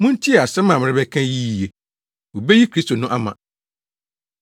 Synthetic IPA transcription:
mʊ̃˦n̩˦tʰi˦ɛ˨a˨sɛ˦mã˨mɪ̃˨˦ɾɪ˦bɛ˦kʰã˦ji˦˨je˨ | wo˨be˦ji˦kʰɾi˦sto˨nʊ̃˦ʔa˦mã̰˨

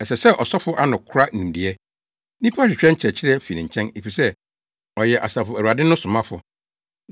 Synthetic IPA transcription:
ɛ˨sɛ˨sɛ˦ʔɔ˨sɔ˦fʊ˦ʔa˦nʊ̃˨kʰʊ˦ɾa˦nĩ˨n̩˨di˨ɛ˦ | nĩ˦pʰu˦a˦ɕᶣɪ˨t͡ɕᶣɛ˦ɲ̩˦t͡ɕʰɛ˨t͡ɕʰɪ˦ɾi˦ɛ˦fi˨nĩ˨ɲ̩˨t͡ɕʰɛ̃˦ne˨fi˨sɛ˦ | ɔ˨jɛ˨ʔa̰˨sa˨fʊ˨æ˨wu˨a˨dɪ˦nʊ̃˦sʊ̃˨mã˦fʊ̰˨

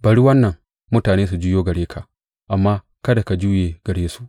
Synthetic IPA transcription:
bɐ˨ɽi˦wɐ˦nːɐ˨ŋ | mʊ˦taː˨neː˦s̬u˨d͡ʒɪ˦joː˦ɡɐ˨ɽeː˦kʰa˨ | ʔa˨mːaː˦ | kɐ˦da˨ka˨d͡ʒuː˦jeː˨ɡ̥ɐ˨ɽeː˦su̥˦ʔ

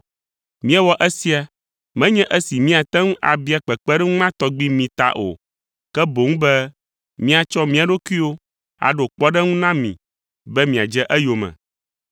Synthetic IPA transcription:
mĩ˦ɛ˦wɔ˦ʔɛ˦si˦a˨ | mɛ̃˦ɲɛ̃˦ʔɛ˦si˨mĩ˦a˨t̪ɛ˦ŋũ˦ʔa̰˨bi˦a˨k͡pɛ˨k͡pɛ˦ɖɛ˦ŋũ˦nã˦t̪ɔ˨˦ɡ͡bi˦mĩ˨t̪a̰˨ʔo̰˨ | kɛ˦bo˨ŋũ˦bɛ˦ | mĩ˦a˨t͡ʃɔ˦mĩ˦a˨ɖo˦ku˦i˦wo˦ | a̰˨ɖo˨k͡pɔ˦ɖɛ˦ŋũ˦nã˦mḭ̃˨ | bɛ˦mĩ˨a˨d͡ʒɛ˦ʔɛ˦jo˨mɛ̰̃˨

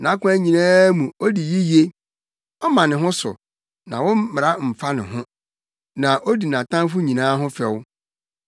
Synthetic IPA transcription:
nã˨˦kʊ̃˦æ˦ɲĩ˨nãː˦mũ˨o˦di˨ji˦je˦ | ɔ˦mã˨nɪ̃˨ɦʊ̃˦sʊ̰˨ | nã˨wɔ̃˦m˦mɪ˨ɾa˦m̩˨fa˦nɪ̰̃˨ɦʊ̃˦ | nã˨ʔo˦di˨nã˨tʰã˦fʊ˦ɲĩ˨nãː˦ɦʊ̃˦fɛ˨w

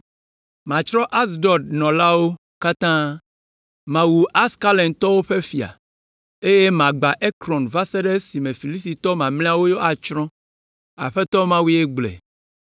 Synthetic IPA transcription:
mã˨t͡ʃɾɔ̃˦ʔa˦s̬ɖɔ˨dnɔ̃˨la˦wo˦ | ka˦t̪ã˦ | mã˨wu˨ʔa˦ska˦lẽ˨nt̪ɔ˦wo˦ɸe˦fi˨a̰˨ | e˦je˦mã˨ɡ͡ba˨ʔe˦kɾɔ̃˨nva˦se˦ɖe˦si˨mẽ˨fi˨li˦si˨t̪ɔ˦mã˨mlĩ˦a˦wo˦jo˦a˨t͡ʃɾɔ̃˦ | a̰˨ɸɛ˦t̪ɔ˦mã˦wi˦e˦ɡ͡blɛ̰˨

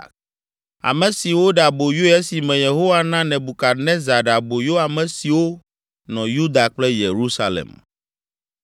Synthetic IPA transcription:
a̰˨mɛ̃˨si˨wo˦ɖa˨bo˨jo˦ɛ˦si˨mɛ̃˨je˨ɦo˦wa˦nã˦nɛ̃˨bu˨ka˨nɛ̃˦za˨ɖa˨bo˨jo˦a˨mɛ̃˨si˨wo˦ | nɔ̃˨ju˦d̪a˨k͡plɛ˦je˨ɾu˦sa˦lḛ˨m

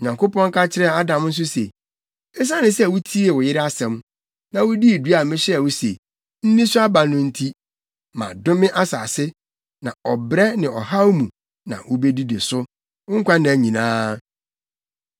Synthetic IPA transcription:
ɲã˨ŋkʊ˦pɔ̃˦ŋ˦kʰa˦t͡ɕʰɪ˦ɾɛ˦˨a˦dã˨m˦n̩˦s̬ʊ˦se˨ | ɛ˦s̬a˦nɪ̃˦sɛ˦˨wʊ˦tʰi˦e˨wʊ˨jɪ˦ɾɪ˦a˦sɛ̃˨m | nã˨wʊ˦di˦˨dɥa˨mɪ̃˦ɕɛ˦ɛ˨wʊ˦sḛ˨ | n̩˦nĩ˦sʊ˦a˦ba˨nʊ̃˦n̩˦tʰi˦ | mã̰˨dʊ̃˦mɪ̃˦ʔa˦saː˨sɪ˦ | nã̰˨ɔ˨bɾɛ˦nɪ̃˨ɔ˨ha˦mũ˨ | nã̰˨wʔʊ˦be˦di˦de˨sʊ˦ | ʊ˦ŋ̩˦kʷa˦nɪ̃˨æ˨ɲĩ˨nãː˦

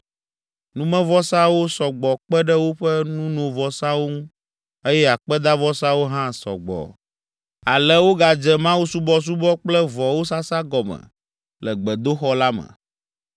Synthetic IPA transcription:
nũ˦mɛ̃˦vɔ˦sã˦wo˦sɔ˨ɡ͡bɔ˨k͡pɛ˦ɖɛ˦wo˦ɸɛ˦nũ˦nɔ̃˨vɔ˨sã˦wo˦ŋũ˦ | e˦jɛ˦a˨k͡pɛ˦d̪a˦vɔ˦sã˦wo˦ɦã˦sɔ̰˨ɡ͡bɔ̰˨ | a˨lɛ˦wo˦ɡa˨d͡ʒɛ˦mã˦wu˦su˦bɔ˦s̬u˦bɔ˦k͡plɛ˦vɔ˨wo˦sa˦sa˦ɡɔ˨mɛ̰̃˨ | lɛ˨ɡ͡bɛ˨d̪o˦xɔ˦la˦mɛ̰˨

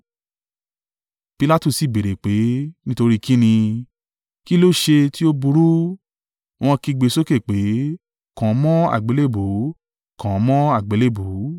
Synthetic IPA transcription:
pi˧la˦tu˦˨si˨be˨ɾe˨k͡pe˨˦nĩ˦to˧ɾi˦ki˦nĩ˧ | ki˦lo˦˨ʃe˧ti˦o˦bu˧ɾu˦ | w̃ɔ̃˧ki˧ɡ͡be˨˧˦so˦ke˦˨k͡pe˨˦ | kã˨˦mɔ̃˦a̰˦˨ɡ͡be˨˦le˦˨bo˨˦ | kʰã˨˦mɔ̃˦a˦˨ɡ͡be˨˦le˦˨bo˨˦

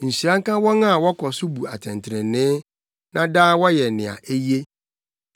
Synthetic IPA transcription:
n̩˨ɕi˨ã˦ŋ˦kã˦wɔ̃˦ŋa˦˨wɔ˦kʰɔ˨sʊ˦bu˨a˨tʰɛ̃˨ntʰɾɛ̃˨nɪ̃˦ | nã˦daː˦wɔ˦jɛ˨nɪ̃˨a̰˨ʔe˦je˦

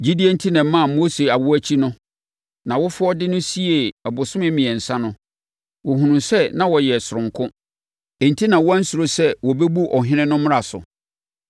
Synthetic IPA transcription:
d͡ʑi˦di˦e˦n̩˦tʰi˦nɛ̃˨˦mã˦˨mo˦se˨a˨wʊ˦æ˦t͡ɕʰi˦nʊ̃˦ | nã˨wʊ˦fʊ˦ɔ˦dɪ˦nʊ̃˦si˦e˨ɛ˨bʊ˨sʊ̃˦mɪ̃˦mĩ˨ɛ˨n̩˨sã˦nʊ̃˦ | wɔ˨ɦũ˨nũ˨sɛ˦nã˨wɔ˨jɛ˨sʊ˨ʊ̃˨ŋkʰʊ̃˦ | e˨n̩˨tʰi˦nã˨wɔ˦æ˦n̩˦su˨ɾo˦sɛ˦wɔ˨bɛ˦bu˦ʔɔ˨ɦɪ̃˦nɪ̃˦nʊ̃˦m̃˦ɾa˨sʊ̰˨

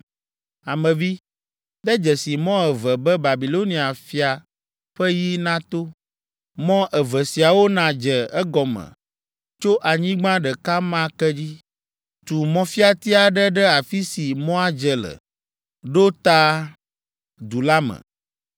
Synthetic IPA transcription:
a˨mɛ̃˨vi˦ | d̪ɛ˦d͡ʒɛ˨si˨mɔ̃˦ɛ˨vɛ˨bɛ˦ba˨bi˨lo˦nĩ˨a˨fi˨a˨ | ɸɛ˦ji˦nã˦t̪o˦ | mɔ̃˦ʔɛ˨vɛ˨si˨a˨wo˦nã˨d͡ʒɛ˨ɛ˦ɡɔ˨mɛ̰̃˨ | t͡ʃo˦ʔa˨ɲĩ˦ɡ͡bã˦ɖɛ˨ka˦mã˦kɛ˦d͡ʑi˦ | t̪u˨mɔ̃˦fi˦a˨t̪i˦a˨ɖɛ˦ɖɛ˦a˨fi˦si˨mɔ̃˦a˦d͡ʒɛ˨lə̰˨ | ɖo˦t̪a˦ | d̪u˨la˦mɛ̰̃˨

